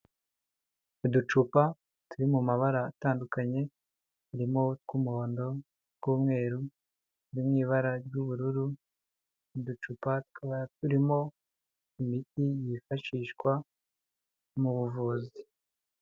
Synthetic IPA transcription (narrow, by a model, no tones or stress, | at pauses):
idut͡ʃupa | tuɾimumaβaɾaːtaːndukaɲe̞ | uɾimo̞tkumuhoːndo̞ | tkuːmŋe̞ːɾu | ɾimŋiːβaɾaɾɟuβuɾuɾu | idut͡ʃupattuɾimo̞ | imitijifaʃiːʃkwa | muβuvuːzi